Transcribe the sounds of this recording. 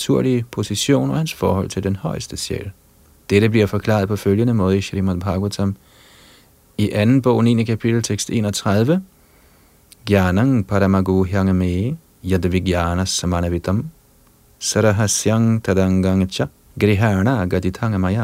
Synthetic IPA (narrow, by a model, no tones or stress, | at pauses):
t͡sʰuɐ̰liəpʰo̝siɕo̝̰ːnɒhænsfɒ̰ːhɔ̽l̰t͡sʰe̝ld̥enhɒɪəsd̥əsjɛ̰l | d̥eɾəbliɐfɒkʰlɑ̰ːɐðˠpʰɒ̽føljənəmɔːð̞ˠiʃeɾimad̪bʰɑɡ̥wut͡sʰam | iʔænn̩b̥ɔʊninəkʰæpʰid̥l̩t͡sʰeɡ̥sd̥e̝̰ːnɒt͡sʰʁaðˠʋə | ɡ̥jaːnaŋpʰaɾamaɡuɦjaŋəme | jad̪əʋiɡjanɐsɐmanɐʋid̥̪ɐm | saɾaɦasjaŋt̪ʰad̪aŋɡaŋt͡ʃa | ɡ̥ɾiɦanaɡaditʰaŋəmaja